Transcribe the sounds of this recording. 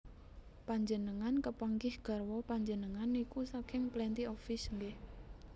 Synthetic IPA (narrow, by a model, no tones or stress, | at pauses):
paɲd͡ʒənəŋankəpaŋɡɪhɡ̥a̤rwɔpaɲd͡ʒənəŋanikusakɪŋplɛnt̪iɔfɪsŋɡɪh